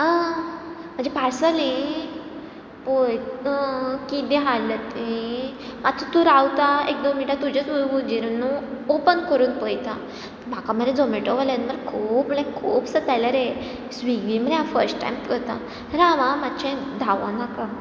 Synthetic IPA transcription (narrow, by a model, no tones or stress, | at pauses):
a | m̤əɳnd͡zepaɾsalĩ | poj | kid̪ẽɦalːət̪i | at͡sʰɔt̪ũɾawt̪aek̚d̪õmiʈat̪ːud͡ʑət͡sʋojɡud͡ʑiɾnũopənkəɾuːnpojt̪a | b̤ʱakam̤ədẽd͡zomiʈɔʋalanməɾkʰuːpm̤əlekʰuːpsət̪ajlaɾe | sʋiɡʋĩm̤ənafəɾsʈʈa̰jmpəɾt̪a̰ | ɾaʋãmat͡ɕẽd̪ʱaʋanaka